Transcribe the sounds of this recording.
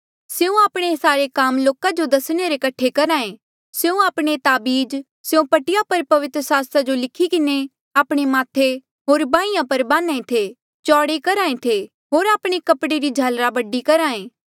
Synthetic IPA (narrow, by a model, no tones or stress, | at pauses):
seːũaːpɽ̃esaːɾekaːmloːkad͡ʒod̪ɐsɽ̃eɾekɐʈʰːekɐɾaːẽ | seːũaːpɽ̃et̪aːbiːd͡ʒ | seũpɐʈɪjapɐɾpɐʋɪt̪ɾəsaːst̪ɾad͡ʒolɪkʰikɪne | aːpɽ̃emaːt̪ʰe | ɦoːɾbãːijãpɐɾbaːnaːẽt̪ʰe | t͡ʃɔːɽekɐɾaːẽt̪ʰe | ɦoːɾaːpɽ̃ekɐpɽeɾid͡ʒʱaːlɾabɐɖikɐɾaːẽː